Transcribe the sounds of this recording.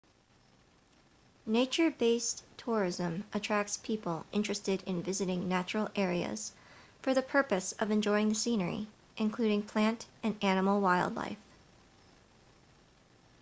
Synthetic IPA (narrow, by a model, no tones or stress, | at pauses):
neɪt͡ʃə˞beɪstʰɔɹɪzə̃mʔətʰɹ̥æk̚tspʰipl̩ˠʔɪ̃nt͡ʃɹ̥ɨstɨɾɨ̃nvɪzɨɾɪ̃ŋnæt͡ʃɹl̩ˠɛɹiɨ̰z̥ | fə˞ðɨpʰɜ˞pɨsʌvɨ̃nd͡ʒɔɪɪ̃ŋðɨsĩnə˞ḭ | ʔɨ̃nkʰl̥ʉɾɪ̃ŋpʰl̥æ̃ntɨ̃nænəml̩ˠwaɪlˠdˡla̰ɪf